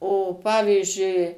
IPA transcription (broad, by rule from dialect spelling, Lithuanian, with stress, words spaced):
oː ˈpɑːʋʲiːzʲd͡ʒʲʊɪ